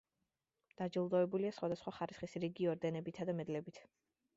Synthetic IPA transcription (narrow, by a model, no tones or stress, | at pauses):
d̪̥ad͡ʒilˠd̪ɔɛbuliasχwad̪asχwaχaɾisχisɾiɡiɔɾd̪ɛnɛbit̪ʰad̪amɛd̪lɛbit̪ʰ